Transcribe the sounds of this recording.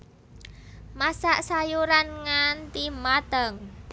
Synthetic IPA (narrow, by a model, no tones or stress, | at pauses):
masaʔsajuɾanŋant̪imad̪̥əŋ